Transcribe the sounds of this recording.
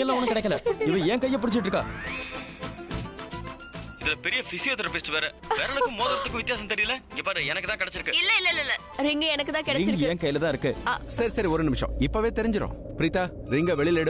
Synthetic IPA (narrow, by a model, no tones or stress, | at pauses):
ɛlːãɔnːɐkɪɽɐɛkːɐlɐɪʋɐ̃ɛːŋkɐjːɐpʊɽɪt͡ʃːɪʈːɾɯkːa̰ː | ɪðɪlɐpɛɾɪjɐfɪsɪjot̪ɾɐpeːsʈɯʋeːɾɛʋeːɾɐɭɯːɯ̃moːðɐɾɐt̪ːɯkːʊ̃ʋɪt̪ːɪjaːsɐmt̪ɛɾɪjɪlɛɪŋɡeːpaːɾɛnɐkːɯt̪ãːkɪɽɛt͡ʃːɪɾɯkːɯɪlːɐɪlːɐɪlːɐɪlːɐ | ɾɪŋɡɐɛnɐkːɯt̪ãːkɪɽɛɪŋɡːɛːŋkɐjɪlɐt̪ãːɪɾɯkːɯaːsɐɾisɐɾiɔɾɯnɪmɪʂɐ̰̃ɪpːoːʋeːt̪ɛɾɪɲd͡ʒɪɾõ̰ːpɾiːt̪aːɾɪŋɡɐʋɛɭɪlɛɽ